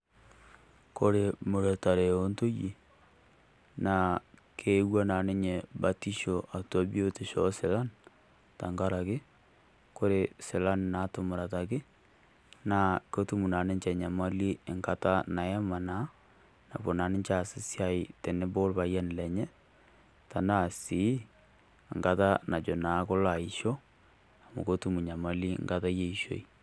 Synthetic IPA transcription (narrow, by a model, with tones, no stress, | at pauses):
ko˦ɾe˨mu˨ɾe˨ta˨ɾe˨o˦nto˦ji˨ | na˨kʰe˦wa˦na˨nɪ˦ɲe˨ba˦ti˦ʃo˨ʔa˨to˦bi˦o˦te˨ʃɔ˦sɪ˨la˦n | ta˨ŋɡa˦ɾa˨kɪ˦ | ko˦ɾe˨sɪ˨la˦nna˨˦to˨mʊ˨ɾa˨ta˨kɪ˦ | na˨ko˦tu˦mu˨na˨nɪ˦ɲt͡ʃɛ˨ɲa˨ma˦li˦˨ŋɡa˦ta˦na˨ɛ˦ma˨na˦ | na̰˨bo˨na˨nɪ˦ɲt͡ʃa˦˨sɪ˦sja˨˦ɪ˨tɛ˨nɪ˦bo˦lba˨ja˦n˨lɛ˨ɲɛ˦ | ta˨na˦˨si˨˦˨ | ŋɡa˦ta˦na˨d͡ʒo˨na˨˦ko˦la˨i˨ʃɔ˦ | a˨mṵ˨ko˦tu˦mu˨ɲa˨ma˦li˦ŋɡa˦ta˦je˨i˨ʃo̰˨i˦